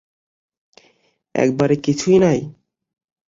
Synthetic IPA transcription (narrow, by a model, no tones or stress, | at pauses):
ɛ̰kbaɾekit͡ɕʰujnaj